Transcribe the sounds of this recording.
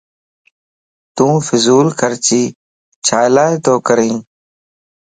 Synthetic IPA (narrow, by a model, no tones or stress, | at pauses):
t̪ũːfɪzuːlkʰəɾt͡ʃiː | t͡ʃʰaːlaːet̪oːkəɾĩː